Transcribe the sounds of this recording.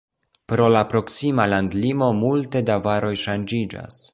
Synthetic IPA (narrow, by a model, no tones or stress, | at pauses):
pɾo̞lapɾo̞ksimalandlimo̞multe̞davaɾo̞jʃand͡ʒid͡ʒa̰s